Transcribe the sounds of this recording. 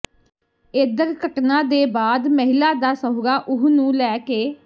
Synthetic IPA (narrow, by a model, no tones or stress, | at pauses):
ed̪əɾkəʈnãːd̪eːbaːd̪məɦɪlaːd̪aːsəɦɡaːʔʊɦnũːlɛːkeː